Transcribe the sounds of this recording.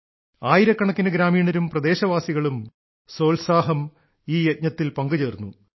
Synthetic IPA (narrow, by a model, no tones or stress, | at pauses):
aːjiɾɐkːɐɳɐkːinɨɡɾaːmiːɳɐɾumprɐd̪e̞ːɕɐʋaːsiɣɐɭum | so̞ːlsaːɦɐm | iːjet̚ɲɐt̪ːilpɐŋɡud͡ʑeːrnːu